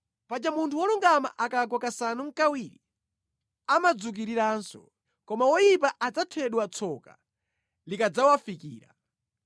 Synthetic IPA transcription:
pad͡ʒamuntʰuwɔluŋɡama̰ʔakaɡwakasanuŋ̩kawiɾi | amad͡zuk̬iɾiɾaːnsɔ̰ | kɔmawɔjipaʔad͡zatʰwɛɗwat͡sʰɔka̰ | likad͡zawafikḭːɾa̰

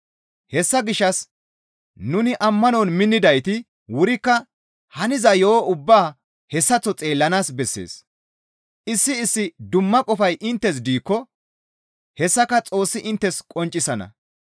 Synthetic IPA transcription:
hɛsːɐɡɪʃːɐs | nʊnɪʔɐmːɐnonmɪnːɪd̪ɐjt̪ɪ | wʊɾɪkːɐ | hɐnɪzɐjoːʊbːaː | hɛsːɐt͡sːɔt͡sʼe̞ːlːɐnaːsbɛsːḛːs | ʔɪsːɪɪsːɪd̪ʊmːɐkʼɔfɐjʔɪnt̪ːɛs̬d̪iːkːɔ | hɛsːɐkɐt͡sʼo̞ːsːɪʔɪnt̪ːɛskʼɔnt͡ʃʼɪsɐnɐ̰

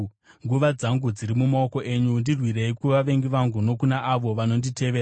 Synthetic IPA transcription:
ŋɡuʋad͡zaŋɡud͡ziɾimumaoko̞ʔe̞ɲundirwire̞ikuʋaʋe̞ŋɡiʋaŋɡuno̞kunaʔaʋo̞ʋano̞ndite̞ʋeɾa

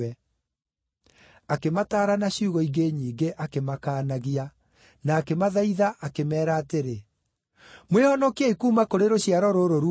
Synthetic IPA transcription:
ɛ | akemataːɾanaɕiuɣɔiɡeɲiːɡeʔakemakaːnaɣia | naːkemaðaiðaʔakemɛːɾaːteɾe | mwehɔnɔkiɛikuːmakoɾeɾoɕiaɾɔɾoɾoɾu

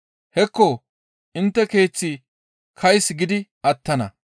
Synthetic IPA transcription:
hɛkːɔ | ʔɪnt̪ːɛke̞ːt͡sːɪ | kʰɐjsɡɪd̪ɪʔɐt̪ːɐnɐ̰

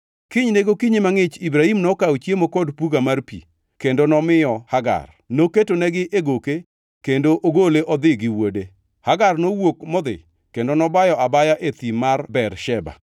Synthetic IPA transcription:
kɪɲneɡokiɲimaŋɪt͡ʃibɾahimnɔkawt͡ʃjemokɔdpuɡamarpḭ | kendonɔmɪjɔhaɡa̰r | noketonɛɡɪʔeɡoke | kendoʔoɡoleʔɔd̪ɪɡɪwode | haɡarnowokmɔd̪ɪ̰ | kendonɔbajɔabajaʔet̪imarbɛrʃɛba̰

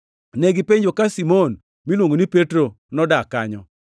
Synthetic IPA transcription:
neɡɪpeɲd͡ʒokasimon | milwoŋɡonipetɾo | nɔdaka̰ɲɔ

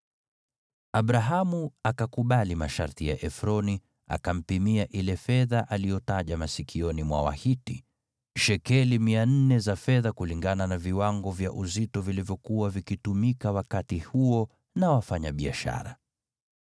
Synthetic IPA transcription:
aɓɾaɦamuakakuɓalimaʃa̰ɾtija̰ʔɛfɾɔni | a̰kam̩pimiaʔilɛfɛðaʔalijɔtaʄamasikʰiɔnimwa̰wa̰hiti | ʃɛkɛlimian̩nɛzafɛðakuliŋɡananaviwaŋɡɔvja̰ʔuzitɔvilivjɔkuwavikitumikawakatihuɔ | nawafaɲaɓia̰ʃa̰ɾa̰

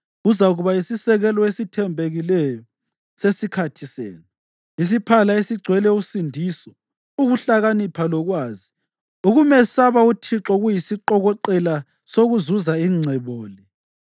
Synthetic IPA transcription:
uzaɣuβaisisɛɣɛlɔesitʰɛmbʱeɣilɛjɔ | sesikʰatʰisḛːnu | is̬ipʰalaesiɡ͡ǀʱwɛlɛusindʱiːsɔ | uɣuɬaɣanipʰalɔɣwaːzi | uɣumɛsaβautʰiǁɔɣujisiǃɔɣɔǃɛla | soɣuzuzaiŋ͡ǀʱɛβoːli

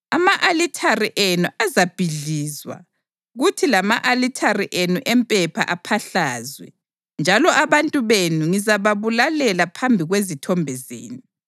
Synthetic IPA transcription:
amaʔalitʰariʔenuʔazab̥ʱiɮiːzwa̰ | ɣutʰilamaʔalitʰariʔenuʔɛmpʼɛpʰa̰ʔapʰaɬaːzwɛ̰ | nd͡ʒʱalɔʔaβantʼuβenuŋizaβaβulalɛlapʰambʱiɣwezitʰɔmbʱɛzḛːni

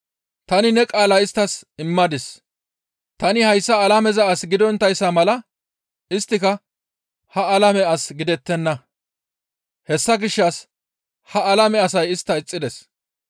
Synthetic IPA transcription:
t̪ɐnɪnɛkʼaːlɐɪst̪ːɐsɪmːɐd̪ɪs | t̪ɐnɪhɐjsːɐːlɐmɛzɐːsɡɪd̪ɔnt̪ːɐjsːɐmɐlɐ | ɪst̪ːɪkɐ | hɐɐlɐmɛɐsɡɪd̪ɛt̪ːɛnːɐ | hɛsːɐɡɪʃːɐs | hɐɐlɐmɛɐsɐjɪst̪ːɐɪt͡sʼːɪd̪ɛs

